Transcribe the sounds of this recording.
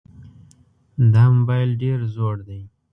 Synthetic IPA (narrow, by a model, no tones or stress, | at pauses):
d̪amʊbajlɖeɾzoɽd̪aj